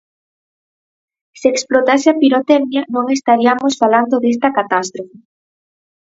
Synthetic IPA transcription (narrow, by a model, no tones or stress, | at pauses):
seeksplot̪asɪapiɾot̪ɛɣnjɐnõŋest̪aɾiamosfaland̪oðest̪ɐkat̪ast̪ɾofe